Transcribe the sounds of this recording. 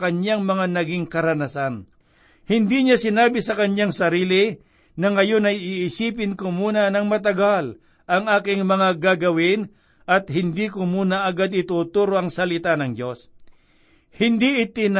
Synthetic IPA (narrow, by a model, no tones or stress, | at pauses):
kɐɲɲaŋmɐŋanɐɡɪŋkɐɾɐnɐsan | hɪnd̪iɲasɪnaːbɪsɐkɐɲjaŋsɐɾiːlɪ | nɐŋɐjo̞nɐjɪɪsiːp̬ɪnkomuːnɐnɐŋmɐt̪̬ɐɡal | ʔɐŋʔaːkɪŋmɐŋaɡaɡɐwɪn | ʔɐt̪̚hɪnd̪ikʊmuːnɐʔɐɡad̪ɪt̪uːt̪uɾoʔɐŋsɐlɪt̪anɐŋd͡ʒo̞s | hɪnd̪iʔɪt̪ɪn